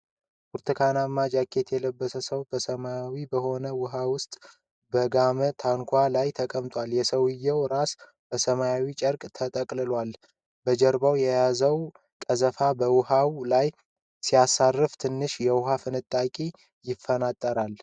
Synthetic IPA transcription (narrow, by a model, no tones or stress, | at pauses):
ʔuɾt̪ʰɨkʰanamːad͡ʒakʰːe̞t̪ʰjɛləbːəsəsəwbəsəmajawibəho̞nəwʊɦawʊst̪ʼ | bəɡamət̪ʰaŋkʷʰalajt̪ʰəkʼəmt̪ʼwaljɛsəwɪjːɛwɾas | b̥əsəmajawit͡ʃʼəɾkʼt̪ʰət̪ʼəkʼlɨlwal | bəd͡ʒəɾbawjɛjazəw | kʼəzəfabəwʊɦawlaj | sijasːarːɨft̪ʰɨnːɨʃjɛwʊɦafɨnɨt̪ʼːakʼi | jɪfːənat̪ʼːəɾal